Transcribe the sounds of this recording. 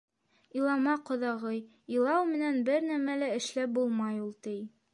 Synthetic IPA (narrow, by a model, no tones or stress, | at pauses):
ilˠɑmɑqŏðɑʁɤj | ilˠɑwmɘ̆nænbɘɾnæmælæɘ̆ʃlæp̚bulˠmɑjulˠt̪ɘj